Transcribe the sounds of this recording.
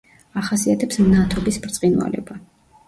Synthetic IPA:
aχasiat̪ʰɛpsmnat̪ʰɔbisbɾt̪sʼinwa̰lɛ̰ba

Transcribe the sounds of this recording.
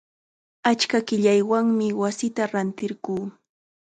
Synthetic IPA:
at͡ʃkakɪʎajwaŋmɪwasɪt̪aɾant̪ɪɾɢuː

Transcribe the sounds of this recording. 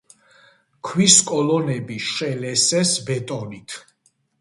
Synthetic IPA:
kʰwiskʼɔlɔnɛbiʃɛlɛsɛsbɛt̪ʼɔnit̪ʰ

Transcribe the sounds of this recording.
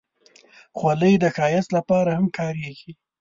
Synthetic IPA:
xwaləjd̪əxɑjat͡slapɑɾahamkʰɑɾeɡi

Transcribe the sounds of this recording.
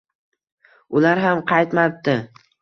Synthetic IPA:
ʊlaɾɦamqʰɑjt̪map̚t̪ɪ

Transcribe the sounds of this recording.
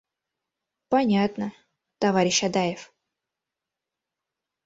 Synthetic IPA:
pɐnʲat̪nə | t̪ɐvaɾʲɪɕɐd̪ajɪf

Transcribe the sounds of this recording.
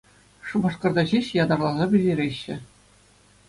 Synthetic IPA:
ʂumɑ̆ʂkɤ̆rd̪ɑʑeɕjɑd̪ɑrlˠɑzɑbʲɘ̆lʲeɾʲeɕːɘ̆

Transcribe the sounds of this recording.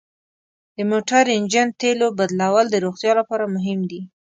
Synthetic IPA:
d̪̥əmoʈaɾɪnd͡ʒant̪elobad̪lawəld̪əɾoxt̪jɑlapɑɾamʊɦɪmd̪i

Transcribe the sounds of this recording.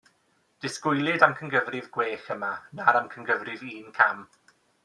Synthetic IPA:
d̥ɪskʊjlˠɪdamkʰənɡəvrɪvɡweːxəmanaɾamkʰənɡəvrɪviːnkʰam

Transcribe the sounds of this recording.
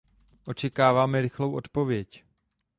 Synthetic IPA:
ʔo̞t͡ʃɛkaːvaːmɛɾɪxlo̞wʔo̞t̪po̞vjɛc

